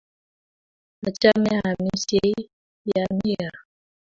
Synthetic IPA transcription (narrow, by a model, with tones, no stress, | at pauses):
a˨t͡ʃa˦mɛ˦a˨mi˦se˦i˦ | ja˨mi˦a˨